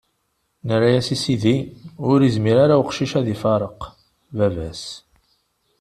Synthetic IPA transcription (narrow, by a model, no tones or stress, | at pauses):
nərajæsisiðiʊɾizmiɾaɾawqʃiʃæðifɑɾˤəq | vævæs